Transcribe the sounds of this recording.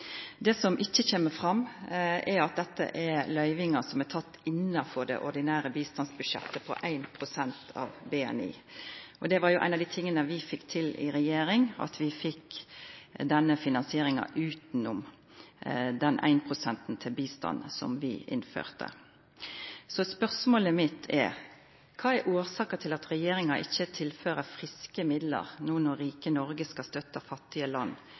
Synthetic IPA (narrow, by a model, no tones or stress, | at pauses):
d̪ɛːsɔmʔɪçːəçeːməfʁɑmʔɛɾɑt̪̚d̪ɛt̪ːə̰ʔɛɾlœʏʋɪŋɑsɔmæt̪ʰɑt̪ːɪnːɑfɔɾd̪ɛ̰ʔɔd̪ɪnæːɾəbiːst̪ɑnsbʉʂɛ̰t̪ːəpʰɔ̰ʔæɪnpʰɾʊsɛnt̪ʰɑ̰ʋbɛːɛ̰nḭːʔɔd̪ɛʋɑɾjʊʔæ̰ɪnɑʋd̪iːt̪ʰɪŋːənəʋɪfɪkːt̪ʰɪlɪ̰ɾɛjeːɾɪŋɑ̰t̪ʰʋɪfɪkː | d̪ɛnːəfɪnɑnsɪeːɾɪŋɑ̰ʔʉːt̪nʊm | d̪ɛnʔæ̰ɪnpʰʁʊsɛnt̪n̩t̪ʰɪlbiːst̪ɑ̰nsɔ̰mʋɪ̰ʔɪ̰nfø̰ːʁt̪ʰə̰ | sɔspœʁsmoːləmɪt̪ʰɛ̰ɾ | kʰɑːɛɾʔuːɾsɑːkət̪ʰɪlɑt̪ɾɛjeːɾɪŋɑʔɪçːət̪ʰɪlføːɾəfʁɪskəmɪd̪lə̰ʁnuːnɔɾiːkənɔɾɡəskɑst̪œt̪ːəfɑt̪ːɪəlɑnː